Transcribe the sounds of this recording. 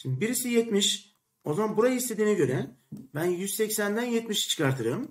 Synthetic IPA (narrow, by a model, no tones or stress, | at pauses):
ʃimnd̪ibiɾisijɛt̪miʃ | o̞zamanbuɾajaist̪e̞d̪iːnɛɟø̞ɾɛbænjyzsɛcsænd̪ænjɛt̪miʃt͡ʃʰɯ̥kaɾt̪ʰɯɾɯm